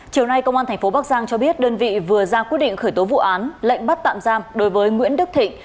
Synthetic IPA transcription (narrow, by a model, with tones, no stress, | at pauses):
t͡ɕi˨˩əwna˧jkə˧wŋ͡mʔaː˧nt̪ʰŋ̟fo˨˦ɓaː˦˥k̚zaː˧ŋt͡ɕɔ˧ɓi˦˥ət̚ɗəː˧nvḭ˧˨vɨ˨˩əzaː˧ki˦˥t̚ɗḭ˧˨ŋ̟xəː˧˩jt̪o˨˦vṵ˧˨ʔaː˨˦nlə̰˧˨jŋ̟ɓa˦˥t̚t̪a̰ː˧˨mzaː˧mɗo˨˦jvəː˨˦jŋwḭ˧˥ənɗɨ˦˥k̚t̪ʰḭ˧˨ŋ̟